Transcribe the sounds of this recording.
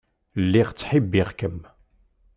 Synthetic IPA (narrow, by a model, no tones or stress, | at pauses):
lːiʁt͡sːħibːiʁkəm